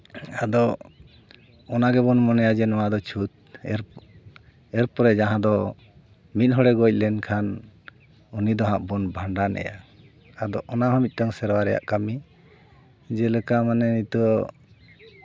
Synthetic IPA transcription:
ad̪ɔ | ɔnaɡɛbɔnmɔnɛjad͡ʒɛnɔwad̪ɔt͡ʃʰut̪̚ | ɛɾ | ɛɾpɔɾɛd͡ʒaɦãd̪ɔ | mit̪̚ɦɔɽɛɡɔc̚ˀlɛnkʰan | unid̪ɔɦãʔbɔnbʱaɳɖanɛ̰ja̰ | ad̪ɔʔɔnaɦɔ̃mit̪̚ˀʈɔŋsɛɾwaɾɛja̰ʔkami | d͡ʒɛləkamanɛnit̪ɔ

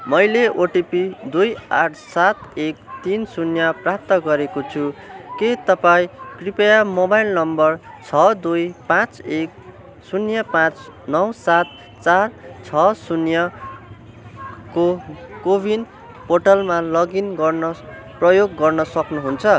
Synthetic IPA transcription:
mʌjleoʈipid̪ujaʈʰsat̪ek̚t̪insunjʌprap̚t̪ʌɡʌɾekot͡sʰuket̪ʌpãĩkripejamobajlnʌmbʌrt͡sʰʌd̪ujpãt͡sek̚ | sunjʌpãt͡snʌwsat̪ | t͡sart͡sʰʌsunjʌ | kokobʱin | poʈʌlmalʌɡinɡʌrnʌ | prʌjoɡːʌrnʌsʌknuɦunt͡sʰʌ

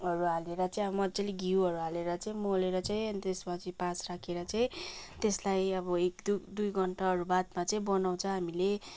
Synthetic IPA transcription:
ɦʌɾuɦaleɾʌt͡saĩʌbʌmʌd͡zeliɡiwʌɾuɦaleɾʌt͡saĩmoleɾʌt͡saĩʌnit̪espʌt͡sʰipasrakʰeɾʌt͡saĩt̪eslajʌbʌekd̪ud̪ujɡʌɳʈaɦʌɾubad̪mat͡saĩbʌnaw̃t͡sʰʌ̃ɦamile

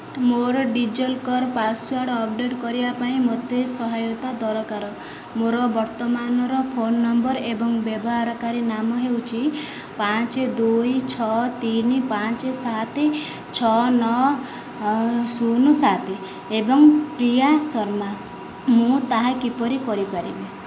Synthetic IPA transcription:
moɾɔɖid͡ʒɔlkɔɾpaswaɾɽɔp̚ɖeʈkɔɾibapaĩmot̪esɔɦajɔt̪ad̪ɔɾɔkaɾɔ | moɾɔbɔɾt̪ɔmanɔɾɔpʰonːɔmbɔɾebɔŋbebɔɦaɾɔkaɾinamɔɦewt͡ʃʰi | pat͡ʃed̪ujt͡ʃʰɔt̪inipat͡ʃesat̪ʰe | t͡ʃʰɔnɔ | sunusat̪ʰe | ebɔŋpɾijasɔɾma | mũt̪aɦakipɔɾikɔɾipaɾibe

